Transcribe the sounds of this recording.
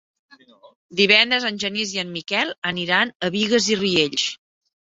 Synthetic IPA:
d̪iβɛnd̪ɾəzənʲʒəniziəmːikɛlˠəniɾanəβiɣəzirieʎʃ

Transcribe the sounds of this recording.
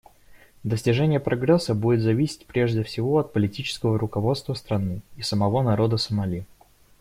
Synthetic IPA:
d̪əsʲtʲɪʐɛnʲɪjəpɾʔɐɡɾɛsːəbudʲɪt̪zɐvʲisʲɪ̥t̚ʲpɾʲeʐdʲɪfsʲɪvo̞ɐt̪̚pəlʲɪtʲit͡ɕɪ̥skəvəɾʊkɐvo̞t̪st̪vəst̪ɾɐnɨisəmɐvo̞nɐɾo̞d̪əsəmɐlʲi

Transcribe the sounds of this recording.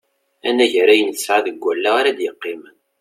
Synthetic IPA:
ænæʝɾæjənsʕaðəɡʷːælːaaɾad̪jəqːɪmən

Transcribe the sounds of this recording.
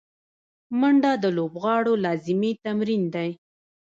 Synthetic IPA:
maɳɖɑd̪əlobɣɑɽolɑzɪmit̪amɾind̪aj

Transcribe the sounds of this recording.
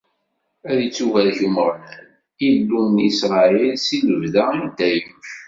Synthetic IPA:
æðət͡sːuvælçuməɾˤnæn | ilːunisɾˤɑilsinəvðæind̪æjəʃ

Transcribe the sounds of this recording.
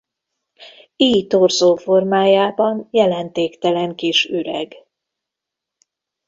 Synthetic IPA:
iːjt̪orzoːfo̞rmaːjaːbɒnjɛlɛnt̪eːkt̪ɛlɛŋkiʃyɾɛɡ

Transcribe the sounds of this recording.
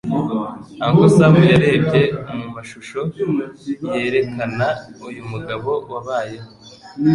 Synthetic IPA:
aŋkosaβujaɾe̞ːbɟe̞mumaʃuʃo̞ | je̞ːɾe̞kʰanaujumuɡaβo̞waβaːja

